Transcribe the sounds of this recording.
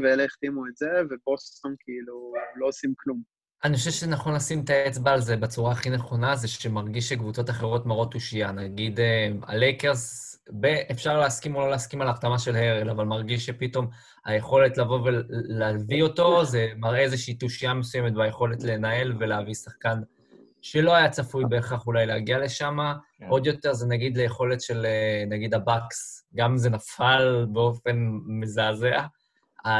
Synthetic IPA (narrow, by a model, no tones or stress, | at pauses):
veeleiχt̪imuetzevebosamkʰiiluloosimklum | aniχoʃ̬evʃenaχo̞nlasimt̪aet͡sbaːlzebet͡suʁaːχine̞χo̞nazeʃemaʁɡiʃekvut͡so̞taχe̞ʁo̞tmaʁo̞t̪ːuʃianaɡid̪ema̰lekeʁs | beʔefʃaʁleaskimololeaskimalaχtamaʃe̞lhe̞ʁelavalmaʁɡiʃʃepito̞m | ha̰je̞χo̞le̞tlavo̞veleavio̞to̞ze̞maʁʔeezeʃiiːt̪uʃiamesujemet̪̚bajeχo̞le̞tle̞nae̞lve̞leavisaχkan | ʃe̞lo̞ajat͡safujbeːχaχulajleaɡiale̞ʃama | ʔo̞d̪jo̞t̪e̞ʁzenaɡid̪lejeχo̞le̞tʃe̞lenaɡid̪abaksɡamze̞nafalbeofe̞nmezaːzea | a